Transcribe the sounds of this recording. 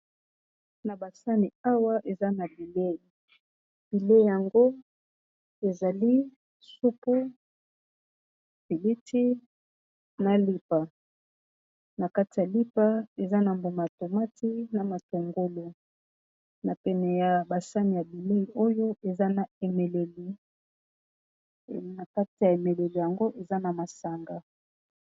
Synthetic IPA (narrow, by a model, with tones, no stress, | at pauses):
na˨ba˨sa˦ni˨a˦wa˦ʔe˨za˦na˨bi˨le˦i˨ | b̥i˨le˦˨ja˨ŋɡo˦ | e˨za˨li˦ | su˦pu˦ | pi˨li˦tʰi˦ | na˨li˦pa˨ | na˨ka˦ti˨ja˨li˦pa˦e˨za˦na˨mbo˨ma˨to˨ma˦tʰi˦na˨ma˨to˨ŋɡo˦lo˨ | na˨pɛ˨nɛ˨ja˨ba˨sa˦ni˨ja˨bi˨le˦i˨ʔo˦jo˦ʔe˨za˦na˨e˨me˨le˨li˨ | na˨ka˦ti˨ja˨e˨me˨le˨li˨ja˨ŋɡo˦ʔe˨za˦na˨ma˨sa˨ŋɡa˨